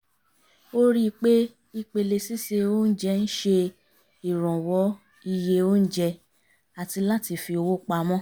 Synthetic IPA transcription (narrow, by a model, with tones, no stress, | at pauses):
o˦ɾi˦˧k͡pe˦ | i˧k͡pe˧le˧si˦se˧o˦n̩˦d͡ʒɛ˧˦n̩˦ʃe˧ | i˨ɾ̃ɔ̃˨wɔ˨˦ | i˧je˧o˦n̩˦d͡ʒɛ˧ | a˨ti˧la˦ti˧fi˧o˧wo˦k͡pa˧mɔ̃˦